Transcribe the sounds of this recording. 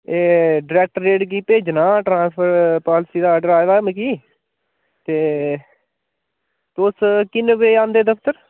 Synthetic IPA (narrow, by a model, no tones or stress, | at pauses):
eːɖɾɛːk̚ʈəɾːeːʈk̬iːpeːd͡ʒnaːʈɾãːspʰəɾpaːlɪsiːd̪aːəɖəɾaːʋaːmẽkiː | t̪eː | t̪oskɪnʋeːãːnd̪eːd̪əkʰt̪əɾ